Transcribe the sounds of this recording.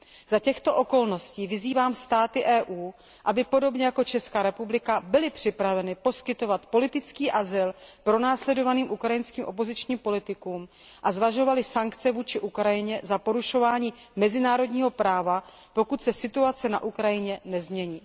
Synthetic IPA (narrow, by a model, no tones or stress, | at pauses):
z̥acɛxt̪o̞ʔo̞ko̞lno̞sciːvɪziːvaːmst̪aːt̪ɪʔɛːʔuː | ʔabɪpo̞do̞bɲɛjakot͡ʃɛskaːɾɛpublɪkabɪlɪpr̝̥ɪpɾavɛnɪpo̞skɪt̪o̞vat̪po̞lɪt̪ɪt͡skiːʔazɪlpɾo̞naːslɛdo̞vaniːmʔukɾajɪnskiːmʔo̞p̬o̞zɪt͡ʃɲiːmpo̞lɪt̪ɪkuːm | ʔazvaʒo̞valɪsaŋkt͡sɛvuːt͡ʃɪʔukɾajɪɲɛzapo̞ɾuʃo̞vaːɲiːmɛzɪnaːɾo̞dɲiːɦo̞pɾaːva | po̞kut̪sɛsɪt̪uat͡sɛna̰ʔukɾajɪɲɛnɛzmɲɛɲiː